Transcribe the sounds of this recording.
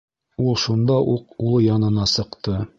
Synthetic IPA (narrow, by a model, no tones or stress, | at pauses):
ulˠʃund̪ɑʔuqulˠɤjɑnɤ̆nɑsɤ̆qt̪ɤ